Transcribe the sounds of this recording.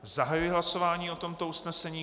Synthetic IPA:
zaɦajujɪɦlaso̞vaːɲiːo̞t̪o̞mt̪o̞usnɛsɛɲiː

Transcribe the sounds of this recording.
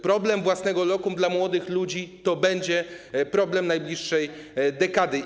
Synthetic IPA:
pɾɔblɛmvwasnɛɡɔlɔkumd̪lamwɔd̪ɘxlud͡ʑit̪ɔbɛɲd͡ʑɛpɾɔblɛmnajblʲiʂːɛjd̪ɛkad̪ɘ

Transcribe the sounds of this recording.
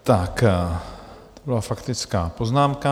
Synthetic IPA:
t̪ak | t̪obɪlafakt̪ɪt͡skaːpoznaːmka

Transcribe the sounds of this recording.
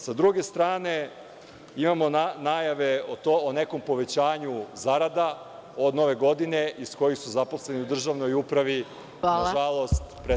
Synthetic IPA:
sad̪ɾuɡe̞st̪ɾaːne̞ | imamo̞nanaːjaʋe̞ot̪oone̞ko̞mpo̞ʋe̞t͡ɕaːɲuzaɾad̪a | od̪no̞ʋe̞ɡo̞d̪ine̞ʔisko̞jixsuzaposle̞niud̪r̩ʒaʋno̞jupɾaʋi | aaʒalˠo̞st̪pɾe

